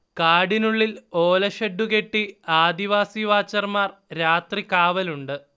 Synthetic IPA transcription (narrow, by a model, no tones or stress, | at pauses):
kaːɽinuɭːilo̞ːlɐɕɐɖːuke̞ʈːiaːd̪iʋaːsiʋaːt͡ɕːɐrmaːrɾaːt̪rikaːʋɐluɳɖɨ